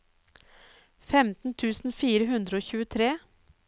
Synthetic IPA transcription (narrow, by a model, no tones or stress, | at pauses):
fɛmt̪n̩t̪ʰʉːsn̩fiːɾəɦʉnd̪ɾəoːçʉːət̪ʰɾeː